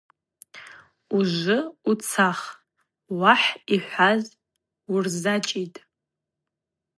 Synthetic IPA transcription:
uʒʷɨut͡sʰaχ | waħiħʷaz | urzat͡ʃʼitʼ

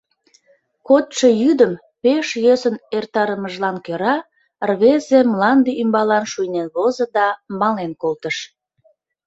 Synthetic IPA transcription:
kot̪ʃəjyd̪əm | peʃjøsənert̪ɑɾəməʒlɑnkøɾɑ | rβezemlɑnd̪iymbɑlɑnʃujnenβozə̆d̪ɑmɑlenkolt̪əʃ

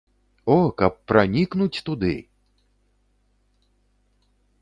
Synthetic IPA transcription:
ɔkɐpːɾanʲiknut͡sʲt̪ud̪ɨ̰

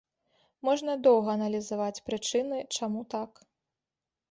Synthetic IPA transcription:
mɔʐnɐd̪ɔwɣɐːnɐlʲizavat͡sʲpɾɨt͡ʂɨnɨt͡ʂamut̪ak

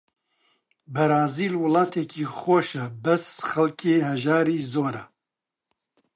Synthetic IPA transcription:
bɐɾaːziːlwɨlɑːt̪ʰɛkʰiːxoʃɛbɛsxɐlkʰeːɦɛʒaːɾiːzoːɾɛ

